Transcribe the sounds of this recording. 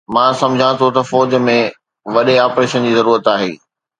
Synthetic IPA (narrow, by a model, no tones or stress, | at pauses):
mãsɐ̃mʊd͡ʑʱãt̪ʰot̪ɐfɔːd͡ʑmẽ | ʋɐɗeaːpɾeːʃənd͡ʑiːzɐɾuːɾət̪aːɦḛː